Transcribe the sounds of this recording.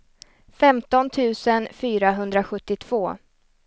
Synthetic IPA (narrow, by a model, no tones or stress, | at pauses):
fɛmt̪ɔnt̪ʰʉ̟ːsənfyːɾaɦɵnd̪ɾaɧɵt̪ːɪt̪ʰv̥oː